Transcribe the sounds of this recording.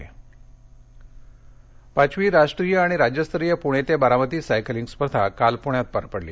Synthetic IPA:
e | pat͡ɕʋiːɾaʂʈɾiːjəaɽ̃iɾad͡ʑjəst̪əɾijəpuɽ̃et̪ebəɾamət̪iːsajkliŋɡspəɾd̪ʱakalpuɳjat̪̚paɾpəɽlḭː

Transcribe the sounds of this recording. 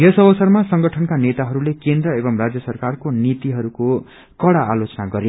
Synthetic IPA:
jʌsʌbʌsʌrmasʌŋɡʌʈʰʌnkanet̪aɦʌɾulekend̪rʌebʌmrad͡zjʌsʌrkarkonit̪iɦʌɾuko | kʌɽaːlot͡sʌnaɡʌɾe

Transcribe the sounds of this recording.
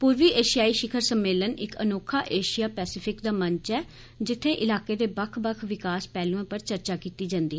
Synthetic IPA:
puːɾʋiːʔeːʃɪjaːiːʃɪkʰəɾsəmːeːlənɪkə̰noːkʰaːʔeːʃijaːpɛːsɪpʰɪkd̪aːmə̃ɲt͡ʃɛː | d͡ʒɪt̪ʰːẽːʔɪlaːkeːd̪eːbəkʰbəkʰʋɪkaːspɛːlũẽːpəɾt͡ʃəɾt͡ʃaːkiːt̪iːd͡ʒãːnd̪iːɦɛː

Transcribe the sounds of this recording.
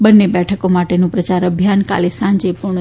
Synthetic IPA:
bənːebɛʈʰəkomaʈenũpɾət͡ʃaɾəbʱjanka̰lisãɲd͡ʒepuɾɳə

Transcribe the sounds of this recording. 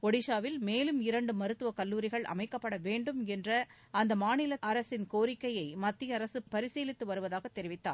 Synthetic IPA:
ɔɽɪʃaːʋɪlmeːlɯmɪɾɐɳɖɯmɐɾɯt̪ːɯʋɐkɐlːuːɾɪɣɐɭʔɐ̰mɐɪkːɐpːɐɽɐʋeːɳɖɯmɛndrɐ | ɐnd̪ɐmaːnɪlɐʔɐɾɐsɪnkoːɾɪkːɐjɐɪmɐt̪ːɪjɐːɾɐsɯpːɐɾɪseːlɪt̪ːɯʋɐɾɯʋɐðaːɣɐt̪ːɛɾɪʋɪt̪ːa̰ːɾ

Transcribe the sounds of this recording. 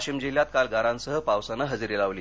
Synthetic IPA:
ɕimd͡ʑiljat̪kalɡaɾãnsəɦəpaʋsanəɦəd͡ziɾilaʋliː

